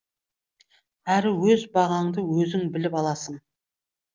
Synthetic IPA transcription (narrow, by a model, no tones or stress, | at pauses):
æɾɪwɵzbɑʁɑɴd̪əwɵzɪŋbɪlɪpɑlˠɑsəɴ